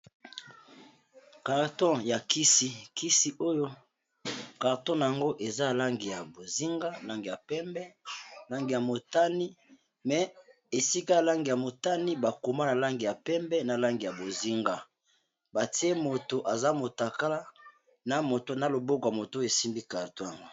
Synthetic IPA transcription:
ka˨ʁtɔ̃˦ja˨kʰi˦si˦ki˦si˦ʔo˦jo˦ | ka˨ʁtɔ̃˦na˨ja˨ŋɡo˦ʔe˨za˦˨la˦ŋɡi˨ja˨bo˨zi˦ŋɡa˦la˦ŋɡi˨ja˨pɛ˦mbɛ˦˨la˦ŋɡi˨ja˨mo˨ta˦ni˦ | mɛ˨ | e˨si˦ka˦˨la˦ŋɡi˨ja˨mo˨ta˦ni˦ba˨ko˨ma˦na˨la˦ŋɡi˨ja˨pɛ˦mbɛ˦na˨la˦ŋɡi˨ja˨bo˨zi˦ŋɡa˦ | ba˨ti˦e˦mo˨to˨ʔa˨za˦mo˨ta˨ka˦la˦ | na˨mo˨to˦na˨lo˨bo˦ko˨a˨mo˨te˨si˦mbi˦ka˨ʁtɔ̃˦ja˨ŋɡo˦

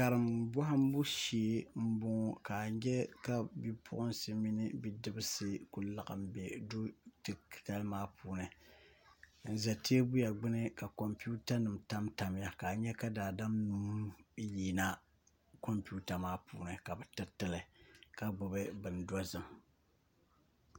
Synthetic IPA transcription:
ka˨ɾɨ˨mbɔ˦ɦa˦m˦bu˦ʃi˨˦m̩˦bʊ˦ŋ˦ka˨ɲɛ˦ka˦bi˦pʰʊ̰˦ʔʊ˦nsɨ˦mi˦nɨ˦bi˦dɨ˦bɨ˦sɨ˦ku˨la˨ʔa̰˨m̩˦be˨du˦tɨ˨ta˦lmaː˦pʰuː˨˦nɨ˨ | n̩˨za˨tʰeː˦bʊ˦ja˨ɡ͡bɨ˦nɨ˦ka˨ko˨mpi˦u˦ta˦nɨ˨m̩ta˦mta˨m˦ja˦ka˨ɲɛ˦ka˦daː˨da˦mnu˨m˦n˦ji˨na˦ | ko˦mpu˦ta˨maː˦pṵː˦nɨ˨ka˨bɛ˨tɨ˦tɨ˦lɨ˨ka˦bʊ˨bɨ˦bɨ˨n˨da˦zɨ˨m˨

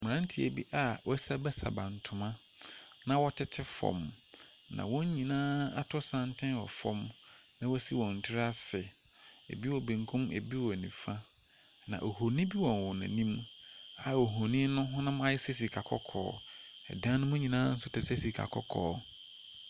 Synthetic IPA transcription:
m˨ã˦n˦tʰi˨ḛ˨bi˦ʔa˨wɔ˦sa˦bɛ˦sa̰˨bã̰˨n̩˨tʰʊ̃˨mã˦ | nã˨wɔ˦tʰɪ˦tʰɪ˦fɔ̰̃˨m | nã̰˨wɔ̃˦ɲ˦ɲĩ˨nãː˦a˦tʰʊ˦sã˦n˦tʰɪ̃˦nwɔ̰˨fɔ̰̃˦m | nã˨wɔ˦si˦wɔ̃˨n̩˨tʰɪ˦ɾa˦sɪ˨ | ḛ˨bi˦wɔ˨bẽ˨ŋ˨kʰũ˦me˨bi˦wɔ˨nĩ˨fã˦ | nã̰˨ʔo˨ɦo˨nĩ˦bi˦wɔ̃˨n˨wɔ̃˨nã̰˨nĩ˦ma˨o˨ɦo˨nĩ˦nʊ̃˦ɦʊ̃˦nʊ̃˦m˦ã˦jɪ˦se˦s̬i˨kʰa˨kʰɔ̰˦kʰɔ̰ː˨˦ɛ̰˨dã˦nʊ̃˦mʊ̃˦ɲĩ˨nãː˦n̩˦sʊ˦tɪ˦se˦si˨kʰa̰˨kʰɔ̰˦kʰɔ̰ː˨˦

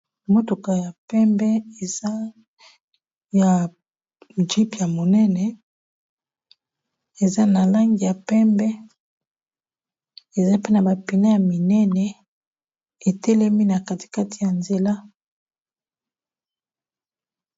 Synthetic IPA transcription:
mo˦to˨ka˨ja˨pɛ˦mbɛ˦e˨za˦ | ja˨ | d͡ʒi˦pja˨mo˨nɛ˦nɛ˨ | e˨za˦na˨la˦ŋɡi˨ja˨pɛ˦mbɛ˦ | e˨za˦pe˦na˨ba˨pi˨na˦ja˨mi˨nɛ˦nɛ˨ | e˨tɛ˦le˦mi˦na˨ka˦ti̥˨ka˦ti˨ja˨nze˨la˦

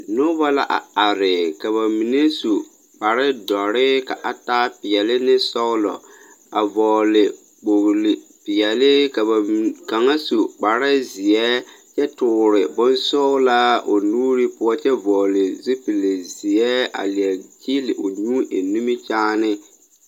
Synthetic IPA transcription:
no˦ba˦la˦ʔa̰˨a˨ɾɪ˨ka˨βa˨mi˨ne˦su˨ | k͡pa˨ɾɪ˦dɔ˨ɾɪ˦ka˨ʔa˨ta˦pɪ˨ɛ˨lɪ˦nɪ˦sɔ˦lɔ̰˨ | a˨vɔ˨lɪ˨ | k͡po˨ɣlɪ˨pɪ˨jɛ˨lɪ˦ka˨ba˨ka˨ŋa˦su˨k͡pa˨ɾɪ˦zɪ˨ɛ˦t͡ʃɛ˦tʊː˨ɾɪ˨bʊ˦nsɔ˦la˦o˨nuː˦ɾi˦pʊ˦ɔ˦t͡ʃɛ˦vɔː˨lɪ˨zi˦pi˨le˨zɪ˨ɛ˦a̰˨li˨ɛ˨d͡ʒi˦lɪ˨ʔo˨ɲũː˦ʔe˨nu˦mi˦t͡ʃaː˦nɪ˦

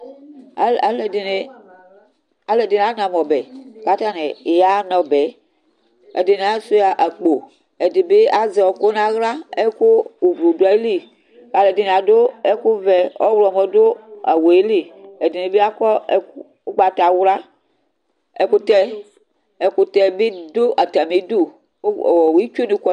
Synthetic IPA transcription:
a˨a˨lɛ˨de˨ne˨ | a˨le˨de˨n˨a˨˦nã˨mɔ˨bɛ˨ka˨˦t̪a˦ne˨ja˦nɔ˨bɛ˨˦ | ḛ˨de˨ne˨a˦su˦ja˨ʔa˨k͡po˨ | e˨de˨be˦a˨˦zɛ˨ɔ˨ko˦nã˦ɣla˦e˦ko˦u˨blo˨do˨˦a˨e˦li˦ | ka˨le˨di˨n˨a˨do˦ɛ˦ku˦vɛ˨ɔ̰˦wlɔ˨mɔ˨do˦a̰˨wo˨e˦li˦ɛ˨di˨ne˨be˦a˦kɔ˦˨˦ɡ͡ba˨ta˨wɾa˦ | ɛ˨ku˦tɛ˦ | e˨ku˦tɛ˨be˦do˦ʔa˨ta˨me˨˦do˦˨˦ | ɔ˨wi˦t͡ʃo˦ni˨˦kɔ˦

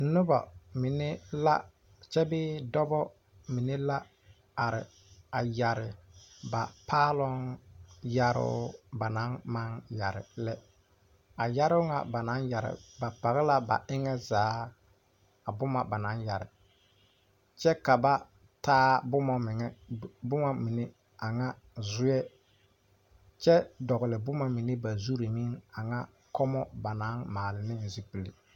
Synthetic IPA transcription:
n̩˦nʊ˦ba̰˨mi˨ne˦la̰˦ | t͡ʃɛ˦bɪː˦dɔ˦bɔ˦ | mi˨ne˦la˦ | a˨ɾɪ̰˨ | a˨ja˨ɾɪ˨ba˨pʰaː˦lɔ˦ŋja˨ɾʊ̰˦ba˨na˨˦nma˦ŋja˨ɾɪ̰˨lɛ˦ | a˨ja˦ɾʊ˦ŋa̰˨ba˨na˦nja˨ɾɪ̰˨ba˨pa˨ɣɪ˦la˦ba̰˨ɪ˦ŋɛ˦zaː˨˦ | a˨bʊ˦ma˨ba˨na˦nja˨ɾɪ˨ | t͡ʃɛ˦ka˨ba˦ | taː˦bʊ˦mɔ˦mɪ˨ŋɛ˦bʊ˦ma˦mi˨ne˦ | a˨ŋa˦ | zʊ˦jɛ˦ | t͡ʃɛ˦dɔ˨ɣɪ˨lɪ˨bʊ˦ma˦mi˨ne˦ba˨zu˦ɾi˨mi˦ŋa˨ŋa˦ | kɔ˦mɔ˦ba˨na˦nmaː˨lɪ˨nɪ˦nzi˦pi˨li˨

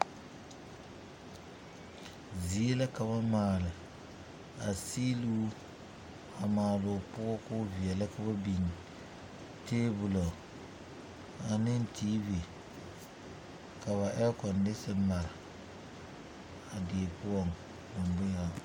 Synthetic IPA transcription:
zi˨e˦la˦ka˨βa˦maː˨lɪ˨ | a˨si˦lu˦ | a˨maː˨lʊ˨pʊ˦ɔ˦kʊ˦vi˨ɛ˨la˦ka˦ba˦bi˨ɲi˨ | teː˦bʊ˨lo˨ | a˨nɪ˦n˦tʰiː˦vi˨ | ka˨βa˨ʔɛ˦kɔ˨ndɪ˦sɪ˦ma˨ɾa˨ | a˨ɡeː˨pʊ˦ɔ˨ŋ | bʊ˨mbʊ˦a˨

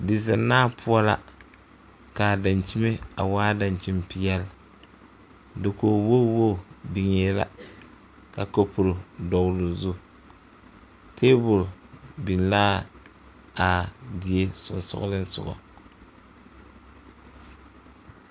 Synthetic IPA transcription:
dɪ˨za˨nːaː˦pʊ˦a˦la̰˦ | ka˨da˨nt͡ʃi˦me˦a̰˨waː˦da˨nt͡ʃi˦mpi˦jɛ˦l | dɪ˨ko˨wo˦wo˦˨bi˨ŋeː˦la̰˦ | ka˨ko˦pu˨ɾʊ˨dɔ˨wlʊ˨zu˦ | tʰeː˦bʊ˨ɾbi˨nlaː˦ | a˨di˨je˦sʊ̰˨nsʊ̰˦lɨ˦n˦sʊ̰˨ɡɔ̰˨

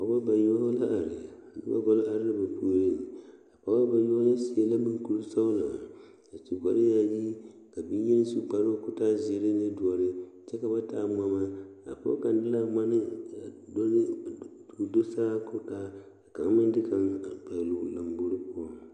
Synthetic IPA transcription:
pa˨˦ba˦ba˨jo˦ɔ˦la˦ʔa˨ɾɪ˨nɨ̰˦ba̰˦ɡɔ˦lɪ˦a˨ɾɪ˦la˦ba˨pu˦o˦ɾɪ˦a˨pa˨˦ba˦ba˨jla˦si˨e˨la˦mɨ˦n˦ku˦ɾsa˦la˨ | a˨t͡ʃi˨ɡʷa˨lɪ˦ja˦ji˦ | ka˨bi˦n˦jɛ˦nɪ˦su˦k͡pa˨˦ɾo˦˨kʊ˦ta˦zi˨e˦ɾɪ˦nɪ˦dʊ˨ɔ˨ɾɪ˦ | t͡ʃɛ˦ka˨ba˦taː˦m˦a˦ma˦a̰˨pa̰˦ka˨ndɪ˦la˦ma˦nɪ˦a˨do˦n˦ | u˨do˦sa˦kʊ˦taː˦ | a˨ka˨ŋ˦mɪ˦dɪ˦ka˨ŋ˨k͡pa˨lu˨la˨mbo˦ɾɨ˦pʊ˦ɔ˦

